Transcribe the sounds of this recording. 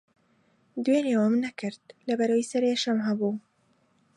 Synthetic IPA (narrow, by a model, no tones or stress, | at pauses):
d̪welewəmnɐkɨɾd̪̚lɐbɐɾɐwisɐɾeʃɐmɦɐbuː